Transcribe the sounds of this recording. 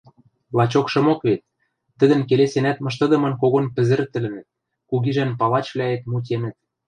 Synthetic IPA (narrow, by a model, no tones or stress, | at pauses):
lɑt͡ɕokʃɤ̆mokβet̪̚ː | ə̆d̪ɘ̆nkelesenæt̪mɤ̆ʃ̬t̪ɤ̆d̪ɤ̆mɤ̆nkoɣonpɘ̆zɘ̆ɾt̪ɘ̆lɘ̆nɘ̆t̪̚ | kuɣiʒænpɑlɑt͡ɕβlʲæet̪mut̬ʲenɘ̆t̪̚